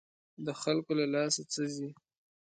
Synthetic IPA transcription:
d̪əxalkolalɑsat͡səzi

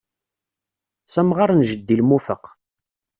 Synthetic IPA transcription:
sæmʁaɾˤnʒəd̪ːilmufəq

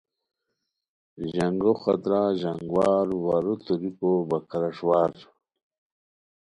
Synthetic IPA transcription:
ʑaŋɡoxa̰t̪ɾaʑaŋɡwaːɾwaɾut̪uɾikobakaɾaʂwaːɾ

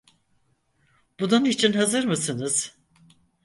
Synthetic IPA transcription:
b̥ununit͡ʃʰinɦazɯɾmɯsɯnɯz̥

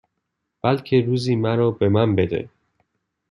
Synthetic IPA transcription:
b̥ælcʰe̞ɾuːziːmæɾɒːbe̞mænbe̞d̪ḛ

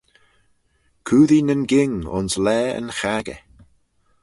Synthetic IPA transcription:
kʰuːðinənɡɪŋʊ̰nslɛːə̰nxaɡə̰

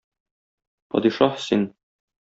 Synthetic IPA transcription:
pɒ̰d̪iʃɑħsin

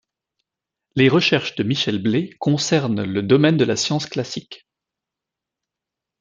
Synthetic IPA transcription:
leʁəʃɛʁʃd̪əmiʃɛlblekɔ̃sɛʁnləd̪ɔmɛnd̪əlasjɑ̃sklasik

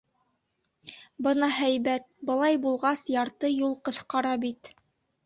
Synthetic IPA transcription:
bɤnɑɦæjbæt̪̚bɤ̆lˠɑjbulˠʁɑsjɑɾt̪ɤjulˠqɤ̆θqɑɾɑbit̪

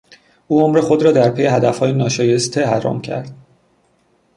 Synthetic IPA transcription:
ʔuːomɾe̞xo̞d̪ɾɒːd̪æɾpʰe̞je̞hæd̪æfhɒːjenɒːʃɒːje̞st̪ʰehæɾɒ̰ːmcʰæ̰ɾd̪̥̚

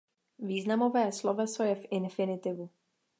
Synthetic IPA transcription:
viːznamo̞vɛːslovɛsojɛfʔɪnfɪnɪt̪ɪvu

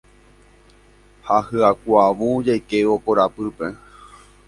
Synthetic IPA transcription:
hahɨakʷaʋũd͡ʒajkeokoɾapɨpe

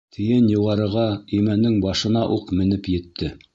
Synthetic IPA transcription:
t̪ʰɘ̆jɘnjŏwʁɑɾɤ̆ʁɑɵjmænːɘŋbɑʃɤ̆nɑʔuqmɘ̆nɘpjɘ̆t̪ʰːɘ

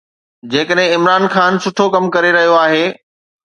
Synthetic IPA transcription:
d͡ʑeːkəɗɦɪ̃ɪmɾaːnxaːnsʊʈʰokɐmkɐɾeɾɐɦijoaːɦeː

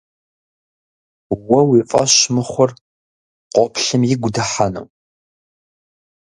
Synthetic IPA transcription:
wɔwifʼɐ̰ɕmɨχʷɔr | qʷɔpʰɬɨmjɪɡʷdɐħanɐ̰w

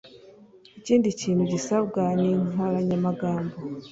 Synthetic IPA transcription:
iciːndiciːn̤̥uɟisaβɡaniŋolaɲamaɡaːmbo

